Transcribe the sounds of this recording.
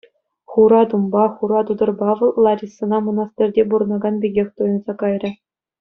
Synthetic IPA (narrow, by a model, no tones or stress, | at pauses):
χuɾɑt̪umbɑχuɾɑt̪ud̪ɤ̆rbɑʋɤ̆lˠlˠɑrʲisɤ̆nɑmɤ̆nɑst̪ʲɘ̆rʲdʲebuɾɤ̆nɑɡɑnbʲiɡʲexʲt̪ujɤ̆nzɑkɑjrʲɘ̆